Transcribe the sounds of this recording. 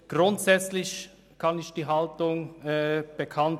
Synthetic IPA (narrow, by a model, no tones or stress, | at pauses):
ɡ̥ʁʊntsɛt͡slɪç | kʰɑnɪçd̥iːɦɑltʊŋɛb̥ekʰɑnt